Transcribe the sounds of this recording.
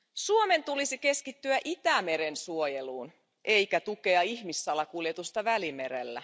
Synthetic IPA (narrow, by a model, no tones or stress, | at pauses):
suome̞nt̪ulisike̞skit̪ːyæʔit̪æmeɾe̞nsuoje̞luːn | ʔe̞jkæt̪uke̞ɑiçmisːɑlɑkuljet̪ust̪ɑʋælime̞ɾe̞̰lːæ̰